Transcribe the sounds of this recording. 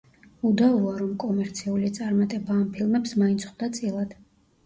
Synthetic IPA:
ud̪auaɾɔmkʼɔmɛɾt̪sʰiulit̪sʼaɾmat̪ʼɛbaːmpʰilˠmɛpsmaint̪sʰχd̪at̪sʼilˠad̪̥

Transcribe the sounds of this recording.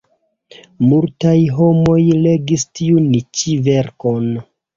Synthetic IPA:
multajɦo̞mo̞jle̞ɡistʰiunit͡ʃive̞ɾko̞n

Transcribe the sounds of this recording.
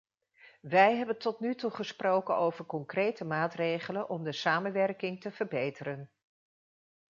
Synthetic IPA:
ʋɛjɦɛbəntɔtnytuχəsprowkənowvəɹkɔŋkrejtəmaːtrejχələnʔɔmdəsaːmənʋɛrkɪŋtəv̥əɹbejtərən

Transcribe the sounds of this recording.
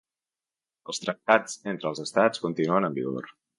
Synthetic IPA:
əlˠst̪ɾək̚t̪ad͡zent̪ɾəːlˠzəst̪at͡skunt̪inuənəmbḭɣo̰ɾ

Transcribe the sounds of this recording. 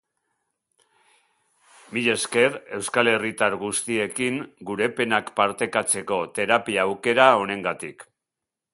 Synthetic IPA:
miʎe̞ske̞ɾe̞wskale̞rit̪aɾɣust̪ie̞kiŋɡuɾe̞pe̞nakpaɾt̪e̞kat͡se̞ko̞t̪e̞ɾapiaːwke̞ɾao̞ne̞ŋɡat̪ik

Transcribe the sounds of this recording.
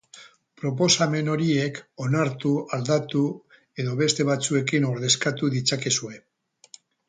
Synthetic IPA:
pɾo̞p̬o̞same̞no̞ɾie̞ko̞naɾt̪uald̪at̪u | e̞ðo̞βe̞st̪e̞βat͡sue̞kino̞ɾðe̞skat̪uðit͡sake̞sue̞

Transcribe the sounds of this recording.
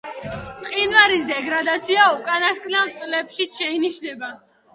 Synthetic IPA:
qʼinvaɾisd̪ɛɡɾad̪at̪sʰiaukʼanaskʼnɛlˠt̪sʼlɛpʃitʃɛiniʃnɛba

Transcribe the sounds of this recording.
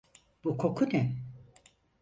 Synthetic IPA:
b̥ukʰo̞kʰunɛ

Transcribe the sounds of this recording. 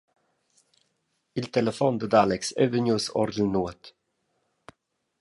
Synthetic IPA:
ilt̪ɛləfɔnd̪əd̪alɛksɛvənjusɔ̰ɾd̪l̩nuət̪

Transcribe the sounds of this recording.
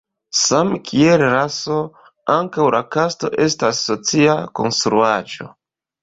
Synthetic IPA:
samkʰielɾaso̞ | aŋkawlakasto̞̰ʔe̞stasːo̞t͡siako̞̰nstɾuad͡ʒo̞̰

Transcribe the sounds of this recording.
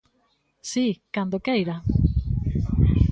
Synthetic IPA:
sikand̪okejɾa

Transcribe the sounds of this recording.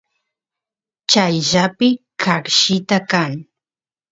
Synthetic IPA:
t͡ʃajʒapɪkʰakʃɪt̪akaŋ

